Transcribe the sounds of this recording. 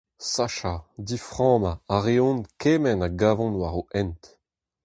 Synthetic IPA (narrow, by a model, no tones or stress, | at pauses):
saʃad̪ifʁɑ̃ːmaaʁeɔ̃nkeːmɛnaɡaːvɔ̃nwaʁoɛnt